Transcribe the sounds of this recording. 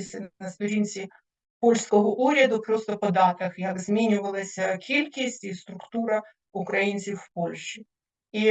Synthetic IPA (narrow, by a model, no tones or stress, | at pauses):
sʲnəst̪ʊɾʲinʲsʲɪ | polʲskəvəʔuɾʲəd̪ʊpɾost̪əpɐd̪arkəxjakzmʲinʲɪvəlˠəsʲkʲelʲkʲɪsʲtʲist̪ɾʊkt̪uɾə | ʊkɾɐint̪sɨfːpolʲɕɪ | i